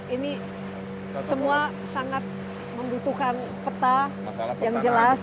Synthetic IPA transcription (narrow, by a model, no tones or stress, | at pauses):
ini | səmua | saŋat̪̚ | məmbut̪ukan | pət̪a | jaŋd͡ʒəlas